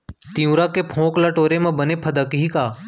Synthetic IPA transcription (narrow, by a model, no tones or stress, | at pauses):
t̪iũɾakepʰõːklaʈoːɾemãbənepʰəd̪əkɦikaː